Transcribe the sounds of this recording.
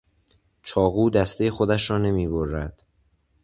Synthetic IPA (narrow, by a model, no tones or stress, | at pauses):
t͡ʃʰɒːɣuːd̪æst̪ejexo̞d̪æʃɾɒːne̞miːboɾːæd̪̥